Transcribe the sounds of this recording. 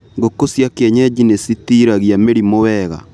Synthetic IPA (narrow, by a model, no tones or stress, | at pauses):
ɡokosjakeɲɛd͡ʒinesitiɾaɣiameɾimowɛɣa̰